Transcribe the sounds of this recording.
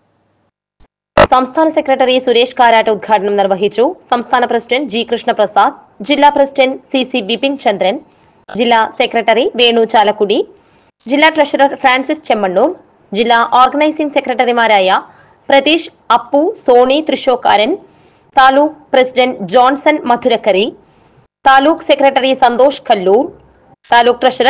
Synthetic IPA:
sɐmst̪ʰaːnɐsekɾɐʈɐɾisuɾeːʂkaːɾjaːʈɐud̪̚ɡʱaːʈɐɳɐmniɾʋɐɦit͡ʃusɐmst̪ʰaːnɐpɾɐsiɖɐɳʈ̚d͡ʒiːkɾuʂɳɐpɾɐsaːd̪̚ | d͡ʒilːaːpɾɐsiɖɐɳʈsisibipint͡ʃɐnd̪ɾɐn | d͡ʒilːaːsekɾɐʈɐɾiʋeːɳut͡ʃaːlɐkuɽi | d͡ʒilːaːʈɾɐʂɐɾɐɾpɾaːɳsist͡ʃemːɐɳːuːɾ | d͡ʒilːaːʔaːɾɡɐnɐjsiŋɡsekɾɐʈɐɾimaːɾaːja | pɾɐt̪iːʃ | ɐpːusoːɳit̪ɾiʃoːkaːɾɐn | t̪aːluːk̚pɾɐsiɖeɳʈd͡ʒaːnsɐnmɐd̪ʱuɾɐkɐɾi | t̪aːluːksekɾeʈɐɾisɐnd̪oːʂkɐlːuːɾ | t̪aːluːk̚pɾɐʃɐɾɐ

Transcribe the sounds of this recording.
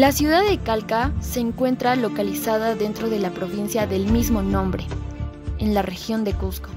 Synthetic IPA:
lasjuðaðekalkase̞ːŋkwe̞nt̪ɾalo̞kalisaðaðe̞nt̪ɾo̞ð̞e̞lapɾo̞βinsjaðe̞lmizmo̞nõ̞mbɾe̞ | enlare̞xjo̞nd̪e̞kusko

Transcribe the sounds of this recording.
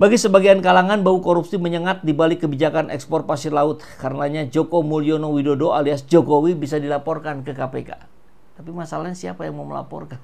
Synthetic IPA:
baɡisəbaɡiankalaŋanbaukoɾupsiməɲəŋat̪̚dibalɪkːəbid͡ʒakanʔɛ̰kspɔr̚pasilaʊt̪̚kaɾənaɲad͡ʒokomulionowidodoaliasd͡ʒokowibisadilapɔrkankəkapḛka̰ | t̪apimasalaɲasiapajaŋmaməla̰pɔ̰rkan

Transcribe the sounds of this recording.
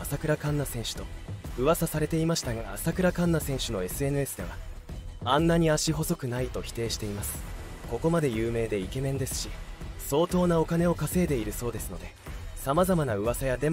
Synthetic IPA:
asakɯ̟ɾakãnːasẽ̞ɰ̃ɕɨ̥t̪o̞ɯ̟βasasaɾe̞t̪e̞imaɕi̥t̪aŋaːsakɯ̟ɾakãnːasẽ̞ɰ̃ɕɨno̞e̞sɨe̞nɯ̟e̞sɨd̪e̞β̞a̰ | ãnːaɲ̟iaɕiɦo̞so̞kɯ̟nait̪o̞çi̥t̪e̞ːɕi̥t̪e̞imasɨ̥ko̞ko̞mad̪e̞jɯ̟ːme̞ːd̪e̞ike̞mẽ̞nd̪e̞sɨ̥ɕiso̞ːt̪o̞ːnao̞kane̞o̞kase̞ːd̪e̞iɾɯ̟so̞ːd̪e̞sɨno̞d̪e̞samazamanaɯ̟βasajad̪e̞m

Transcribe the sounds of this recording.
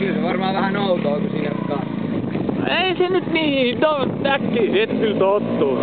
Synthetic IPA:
kylseʋɑrmɑːʋæhænoˑut̪oːkusiːnæsyt̪kɑ | ḭeisenyt̪niːit̪ot̪ækːiːet̪ːylt̪ot̪ːuː

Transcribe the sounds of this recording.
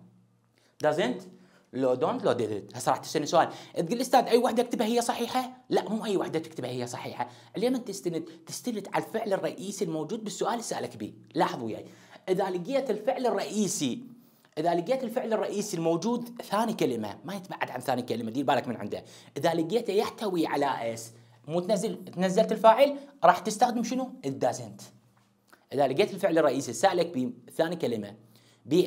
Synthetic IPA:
d̪azɪnt̪ | loːd̪oːnt̪loːd̪ɪlɪt̪hasˤɑɾˤɑːħt̪ːɪ̥st̪anːsʊʔaːlʔɪt̪ɡɪlʔɪst̪aːd̪ʔajːwaħd̪akt̪abhahɪjːasˤɑħiːħalaʔmuːʔajːwaħd̪at̪ɪ̥kt̪abhahɪjːasˤɑħiːħa | ʕɪlamant̪ɪst̪and̪t̪ɪ̥st̪alɪt̪ʕalfɪʕlɪrˤːɑʔiːsilmowd͡ʒuːd̪̚bɪsːʊʔaːlɪsaːʔlakbḭːlɑːħɨðˤwɪja̰ːj | ʔɪðalɪɡeːt̪ɪlfɪʕlɨrˤːɑʔiːsi | ʔɪðalɪɡeːt̪ɪlfɪʕlɨrˤːɑʔiːsilmowd͡ʒuːd̪θaːnikalɪma̰majɪt̪baʕːad̪ʕanθaːnikalɪmad̪iːlbaːlakmɪnʕɪ̰nd̪a̰ʔɪðalɪɡeːt̪ajaħt̪awiʕalaʔas | muːt̪nazːalt̪nazːalt̪ɪlfaːʕəlɾˤɑːħt̪ɪst̪axd̪ɪmʃɪnuʔɪd̪ːaːsɪnt̪ | ʔɪðalɪɡeːt̪ɪlfɪʕlɪrˤːɑʔiːsisaːʔlak̚biːθaːnikalɪma̰ | biː

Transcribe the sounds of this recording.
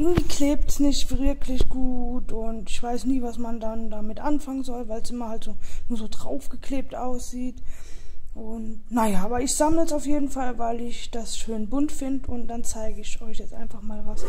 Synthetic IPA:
ʔɪɐɡŋ̩tv̥iːkleːp̚tsnɪçtv̥ɪɐkʰlɪçɡ̥uːtʊntɪçv̥aɪsniːvasmandandamɪtʔanfaŋənzɔlvaɪlsʔɪmɐhaltz̥oːnuːɐzoːdʁa̰ʊfɡ̥əkʰleːp̚tʔa̰ʊsz̥iːt | ʔʊntnajaːʔaːbɐɪçz̥amləsaʊfjeːdn̩falvaɪlɪçd̥asʃøːnbʊntfɪndəʊnt̚d̥ant͡saɪɡəɪçʔɔʏçjɛt͡stʔa̰ɪnfaχmaːlvas

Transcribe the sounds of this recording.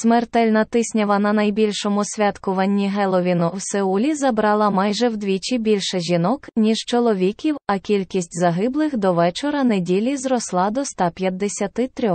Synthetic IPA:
smert̪ɛlʲnɐt̪ɪsʲnʲɐʋɐnɐnɐjbʲilʲʃɔmʊsʲʋʲat̪kʊʋɐnʲːiɦɛlˠɔʋʲinʊwseulʲizɐbɾɑlˠɐmɑjʒɛwd̪ʋʲit͡ʃibʲilʲʃɛʒʲinɔknʲiʃt͡ʃɔlˠɔʋʲikʲiwɐkʲilʲkʲisʲtʲzɐɦɪblˠɪxd̪ɔʋɛt͡ʃɔɾɐnedʲilʲizɾɔslˠɑd̪ɔst̪ɑpʲjɐd̪ːesʲɐt̪ɪt̪ɾʲɔx

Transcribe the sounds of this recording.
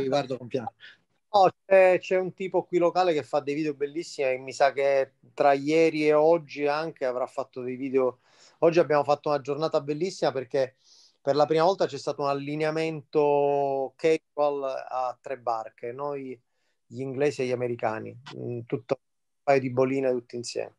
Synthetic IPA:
iɡwaɾd̪okompjan | nɔt͡ʃɛt͡ʃɛunt̪iːpokwilːokaːlekefːad̪ːejviːd̪eobelːisːimemːisak̟ːe | t̪ɾajɛːɾieɔd͡ʒːiaŋk̟eavɾafːat̪ːod̪ejviːd̪eo | ɔd͡ʒːiabːjaːmofat̪ːounad͡ʒornaːt̪abelːisːimaperke | perlapɾiːmavɔlt̪at͡ʃɛst̪aːt̪ounalːineament̪okɛwalat̪ːɾɛbːarkenoj | ʎiŋɡlɛːsieʎːameɾika̰ːnḭt̪ut̪ːo | pajod̪ibːoliːnaet̪ut̪ːoinsjɛ̰ːme

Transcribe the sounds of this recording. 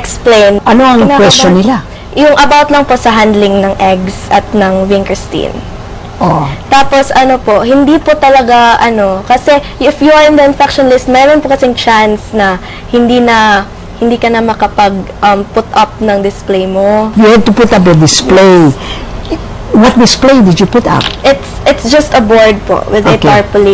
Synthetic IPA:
ɛksplejnʔɐnoɐŋnakwɛst͡ʃonːɪla | jʊŋʔɐbawt̪lɐŋpo̞sɐɦand̪lɪŋnɐŋʔɛɡsʔɐt̪̚nɐŋvɪnkɹɪst̪ḭn | ʔot̪aːpo̞sɐno̞po̞hɪnd̪iːpot̪ɐlɐɡaʔɐno̞kɐsɛ | ɪfjuɐɪnd̪ɐɪnfak̚ʃonlɪst̪̚mɐjɐɾonpokɐsɛŋt͡ʃansnɐ | hɪnd̪iːnɐ | hɪnd̪iːkɐnɐmɐkɐpɐɡ̚ʔɐmpʊt̪ʔɐp̚nɐŋd̪ɪsplejmojuhad̪̚t̪ʊpʊt̪ap̬ɐd̪ɪsplej | wɐt̪̚d̪ɪsplejd̪ɪd͡ʒupʊt̪a̰p̚ʔɪt̪sʔɪt̪sd͡ʒɐst̪ɐboɹd̪̚po̰wɪd̪ɛtaɹpʊli

